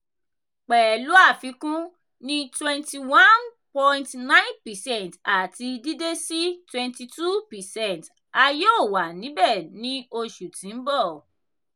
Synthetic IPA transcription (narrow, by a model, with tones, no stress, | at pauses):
k͡pɛː˨lu˨˦a˦˨fi˨˧˦kũ˦ | nĩ˦twɛ̃˧nti˧wã˦n | pɔ̃˧ĩntnã˦ĩ˦npɛ˨sɛ̃˦˨nta˨ti˧di˦de˦si˦twɛ̃˧nti˧tu˦pɛ˨sɛ̃˦˨nt | a˧jo˦˨wa˨nĩ˨˦bɛ˦˨nĩ˦o˧ʃu˨tĩ˨˦n̩˦bɔ˦˨